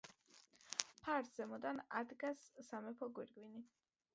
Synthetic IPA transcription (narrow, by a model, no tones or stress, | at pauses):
pʰaɾd̪z̥ɛmɔd̪anad̪ɡasːamɛpʰɔɡwiɾɡwini